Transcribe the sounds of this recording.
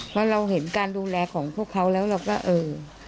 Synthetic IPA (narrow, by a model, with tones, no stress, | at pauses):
pʰɔː˦˥˩ɾa˧wɦe˩˦nkaː˧nduː˧lɛː˧kʰɔː˩˦ŋpʰu˥˩əkʰːa˦˥wlɛː˦˥wɾa˧wkɔː˥˩ʔɤː˧˩